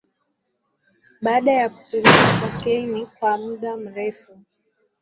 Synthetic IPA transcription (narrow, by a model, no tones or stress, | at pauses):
ɓaːɗajaku̥tiɾikakwakɛiɲikwamuɗam̩ɾɛfu